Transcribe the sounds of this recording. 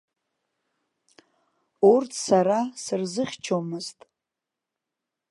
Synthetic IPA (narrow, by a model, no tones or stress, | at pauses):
urtʰsaɾasɨrzɨχʲt͡ʃʰomɨztʼ